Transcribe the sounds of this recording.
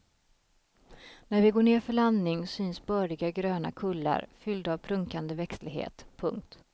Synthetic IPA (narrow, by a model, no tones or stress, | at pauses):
næɾvɪɡoːɳeːɾfœɭand̪nɪŋsyːnsbœːɾɪɡaɡɾøːna̰kʰɵlːa̰ɾfʏld̪avpʰɾɵŋkand̪əvɛkslɪɡɦḛːt̪pʰɵŋk̚t̪